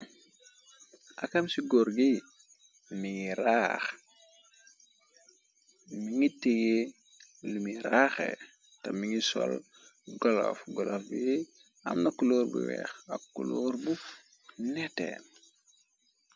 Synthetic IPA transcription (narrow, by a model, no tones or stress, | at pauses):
ʔakamsiɡoɾɡi | miŋiɾax | miŋitiɡe | lumiɾaxḛ | tɐmiŋisɔ̰l | ɡɔlo̰fɡɔlofbje | a̰mnakːuloːɾbṵwɛ̰ːxakːuloːɾbu | nɛtḛːn